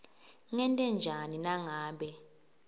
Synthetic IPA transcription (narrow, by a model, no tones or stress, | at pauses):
ŋɛntʼɛnd͡ʒʱaninaŋaːɓɛ